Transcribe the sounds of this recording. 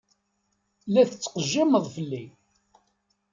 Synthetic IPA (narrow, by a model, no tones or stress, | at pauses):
læθət͡sːqəʒːiməðˤfəlːi